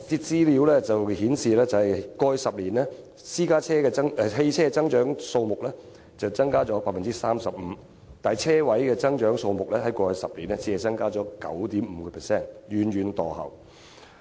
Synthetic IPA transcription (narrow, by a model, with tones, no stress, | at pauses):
t̪i˧t͡siː˥liː˨˧˥wlɛ˥t͡sɐ˨whiː˨˥nsiː˨lɛː˥t͡sɐ˨˩ɐ˨jkɔː˧jœ˧sɐ˨p̚liː˨˩nɛ˥ | siː˥kaː˥t͡ʃʰɛː˥kɛ˧ɐ˥ŋɛ˧ɦe˧jt͡sʰɛː˥ɛ˧t͡sɐ˥ŋt͡ʃœː˨˥ŋso˧wmʊ˨k̚lɛː˥ | t͡sɐ˨wt͡sɐ˥ŋkaː˥t͡ʃɔː˨˥paː˧t̚fɐ˨nt͡siː˦˥saː˥msɐ˨p̚m̩˨˦ | t̪aː˨t͡sʰɛː˥wɐ˨˥jkɛː˧t͡sɐ˥ŋt͡ʃœː˨˥ŋso˧wmʊ˨k̚lɛː˥ɦɐ˨˥jkɔː˧jœ˧sɐ˨p̚liː˨˩nɛ˥t͡siː˨˧˥hɐ˨jt͡sɐ˥ŋkaː˥t͡ʃɔː˨˥kɐ̰˨˥wt̪iː˨˥mm̩˨˧˥kɛ˧pʰɛ˨˩sɛː˥˩nɥyː˨nɥyː˨˧nt̪ɔː˨˩hɐ̰˨˩w